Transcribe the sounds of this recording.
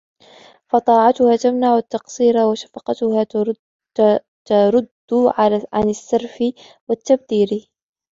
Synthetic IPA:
fɑt̪ˤɑːʕɑt̪ʊhaːt̪amnaʕʊt̪ːɑqsˤiːɾawaʃḁfɑqɑt̪ʊhaː | t̪aɾˤʊd̪ːʊʕʕa̰nɪsːɑɾˤfɪ | wat̪ːab̚d̪iːɾ

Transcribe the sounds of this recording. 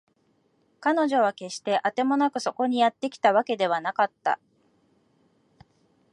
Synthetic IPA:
kano̞ʑo̞β̞ake̞ɕi̥t̪e̞ʔat̪e̞mo̞nakɯ̟so̞ko̞ɲ̟ijat̪ːe̞kʲi̥t̪aβake̞d̪e̞β̞anakat̪ːa̰

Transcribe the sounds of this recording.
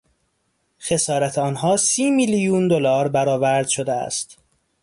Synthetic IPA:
xe̞sɒːɾæt̪ʰeɒːnhɒːsiːmilijuːnd̪o̞lɒːɾbæɾɒːvæɾd̪̥ʃo̞d̪eæ̰st̪

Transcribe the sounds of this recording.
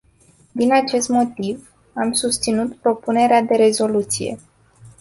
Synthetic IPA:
d̪inat͡ʃe̞st̪mo̞t̪iv | amsust̪sinut̪pɾo̞pune̞ɾead̪e̞ɾe̞zo̞lut̪sḭje̞̰

